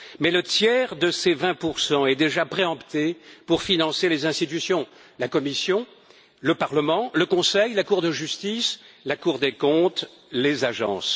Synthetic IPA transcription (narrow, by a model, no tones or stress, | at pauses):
mɛlət̪jɛʁd̪əsevɛ̃puʁsɑ̃ɛd̪eʒapχeɑ̃bt̪epuʁfinɑ̃selezɛ̃st̪it̪ysjɔ̃ | lakɔmisjɔ̃ | ləpaʁləmɑ̃ləkɔ̃sɛjlakuʁd̪əʒyst̪islakuʁd̪ekɔ̃t̪ | lezaʒɑ̰̃ːs